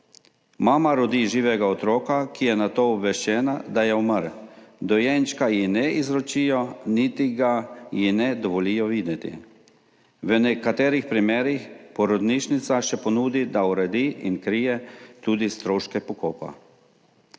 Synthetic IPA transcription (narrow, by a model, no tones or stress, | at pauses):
maːmaɾɔd̪iːʒiːʋɛɡaɔt̪ɾoːkakijɛnat̪oːɔbʋɛʃt͡ʃɛːnad̪ajɛuməɾd̪ɔjɛnt͡ʃkajinɛizɾɔt͡ʃiːjɔnit̪iɡajinɛd̪ɔʋɔliːjɔʋiːd̪jɛt̪ḭ | ʋənɛkat̪ɛːɾixpɾimeːɾixpɔɾɔd̪niʃnit̪saʃɛpɔnuːd̪id̪auɾɛd̪iːʔinkɾijɛt̪uːd̪ist̪ɾoːʃkɛpɔkoːpa̰